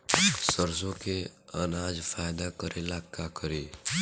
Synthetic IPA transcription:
səɾsõkeə̰nad͡ʒfʰajd̪akəɾʔelakːakəɾe

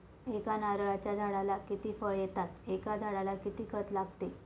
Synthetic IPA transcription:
ekanaɾɭat͡ɕjad͡zʱaɽalakit̪iːfəɭjet̪at̪ekad͡zʱaɽalakit̪iːkʰət̪laɡt̪e

